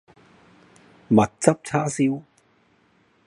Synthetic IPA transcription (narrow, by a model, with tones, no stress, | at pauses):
mɐ˨˩t̚t͡sɐ˦˥p̚t͡ɕʰaː˥si˧˥w